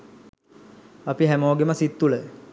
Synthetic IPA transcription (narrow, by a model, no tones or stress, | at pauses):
apiɦæmoːɡeməsit̪ːulə